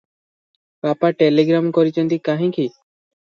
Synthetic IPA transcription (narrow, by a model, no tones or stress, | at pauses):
papaʈeleɡɾamkɔɾit͡ʃɔnt̪ikaɦĩki